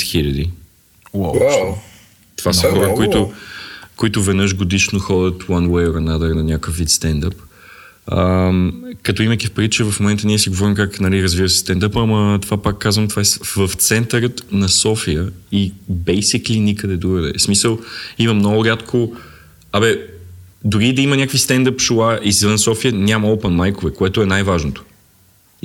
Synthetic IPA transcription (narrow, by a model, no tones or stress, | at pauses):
xilʲɐd̪i | wa | t̪ovasəxɔɾəkoit̪ʊ | koit̪ʊvɛd̪nəʃɡod̪iʃnoxɔd̪ʲət̪wanwɛjoɾɐnad̪əɾnɐnʲakəfvːit̪st̪ɛnd̪əp | əmkɐt̪ɔimɐkʲifpɾʲit̪t͡ʃɛvɐfmomɛnt̪əniɛsiɡovɔɾimkaknɐliɾəzvivəsɛ̥st̪ɛnd̪əpɐmət̪ovapakːazvəmt̪ovaɛsvəft̪sɛnt̪əɾət̪nɐsɔfijəibɛjsiklinʲikəd̪ɛd̪uɡəd̪ɛ̰smisəlˠimɐmnɔɡʊɾʲat̪kʰo | abɛ | d̪ʊɾid̪ɐimənʲakvist̪ɛnd̪əpʃlˠaʔizvənsɔfijənʲamɐɔpɛnmajkovɛkoɛt̪oɛnajvaʒnot̪o̥